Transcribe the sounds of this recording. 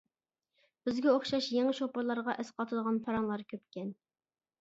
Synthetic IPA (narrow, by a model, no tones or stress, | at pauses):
b̥ɪzɡʲɛoχʃɑʃjeŋɨʃopəɾlˠɑɾʁɑʔɛsqʰɑt̪ʰɨd̪əʁɑnpʰɑɾɑŋlˠɑɾkʲʰøpkʲɛn